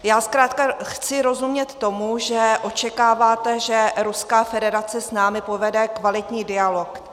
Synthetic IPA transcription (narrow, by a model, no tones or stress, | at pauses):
jaːskɾaːt̪kaxt͡sɪɾo̞zumɲɛt̪ːo̞muʒɛʔo̞t͡ʃɛkaːvaːt̪ɛʒɛɾuskaːfɛdɛɾat͡sɛsnaːmɪpo̞vɛdɛkvalɪt̪ɲiːdɪalo̞k